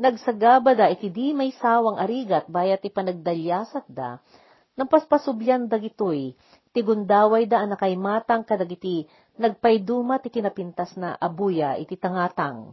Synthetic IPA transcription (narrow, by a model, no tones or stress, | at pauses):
nɐɡ̚sɐɡaːbɐd̪aʔɪt̪id̪imɐjsaːwɐŋɐɾiːɡɐt̪̚baːjɐt̪ɪpɐnɐɡ̚d̪ɐljaːsɐt̪̚d̪a̰ | nɐŋpɐspɐsʊbljand̪ɐɡɪt̪oj | t̪ɪɡʊnd̪aːwɐjd̪aʔɐnɐkɐjmaːt̪ɐŋkɐd̪ɐɡɪt̪i | nɐɡ̚pɐjd̪uːmɐt̪ɪt̪ɪnɐpint̪asnɐ̰ʔɐbujaʔɪt̪it̪ɐŋaːt̪aŋ